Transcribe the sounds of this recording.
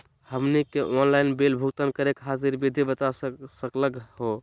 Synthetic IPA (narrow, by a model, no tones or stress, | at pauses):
həmnikeʔonlaɪnbelbʱukt̪ənkəɾekɦaziɾbid̪ʱibət̪asəkləkho